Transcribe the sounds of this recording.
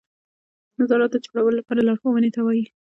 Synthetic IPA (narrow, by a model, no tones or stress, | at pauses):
nazɑɾat̪̚d̪əd͡ʒoɽawəlolapɑɾalaɽxowanet̪awɑji